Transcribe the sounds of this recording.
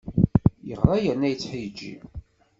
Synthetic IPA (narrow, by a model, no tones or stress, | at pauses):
jəʁɾˤɑjənːæjət͡sːħijd͡ʒːḭm